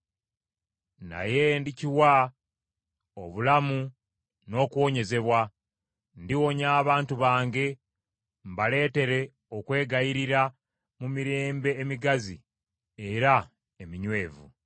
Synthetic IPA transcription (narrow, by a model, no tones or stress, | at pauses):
na̰je̞ndiciwa | oβulamu | no̞ːkuwo̞ɲe̞ze̞βwa | ndiwo̞ɲaːβaːntuβaːŋɡe̞ | mbale̞ːte̞ɾe̞ | o̞kwe̞ːɡajiɾiɾa | mumiɾe̞ːmbe̞ːmiɡazḭ | eɾa | emiɲwe̞ːvṵ